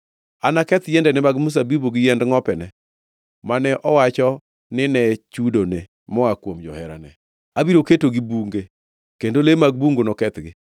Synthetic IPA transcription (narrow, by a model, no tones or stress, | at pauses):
anakɛt̪jɛndɛnɪmaɡmus̬abiboɡɪjɛndŋɔpɛnɛ | manɛʔɔwat͡ʃɔ | nɪnɛt͡ʃudone | mɔakwomd͡ʒɔ̰hɛɾa̰nɛ | abiɾoketoɡɪbuŋɡe | kendolemaɡ̚buŋɡonɔkɛt̪ɡɪ